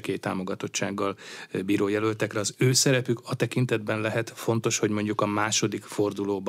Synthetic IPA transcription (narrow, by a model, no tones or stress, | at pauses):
keːt̪ːaːmo̞ɡɒt̪o̞t͡ʃːaːɡːɒlbiːɾoːjɛlølt̪ɛkɾɛɒzøːsɛɾɛpykʰɒt̪ɛkint̪ɛd̪bɛnlɛɦɛt̪fo̞nt̪o̞ʃho̞ɟmo̞ɲɟukɒmaːʃo̞d̪ikfo̞rd̪uloːb